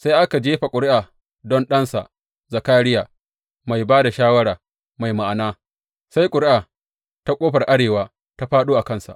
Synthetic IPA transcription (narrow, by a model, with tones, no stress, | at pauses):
sa˦jʔa˦ka˨d͡ʒeː˦ɸa˨kʷʼʊ˨ɾɪ˦ʔaː˨ | dɔ˦nɗɐ˦nsa̰˨ʔ | za˨kaː˦ɽɪ˦jaː˨ | ma˨jbaː˦da˨ʃaː˦wɐ˦ɽaː˨ | ma˨jma˨ʔa˨naː˦ | sa˦jkʷʼʊ˨ɾɪ˦ʔaː˨ | ta˦kʷʼoː˦ɸɐ˨rʔa˦ɽeː˨waː˦ | ta˦ɸaː˦ɗoː˦ʔa˨kɐ˦nsa̰˨ʔ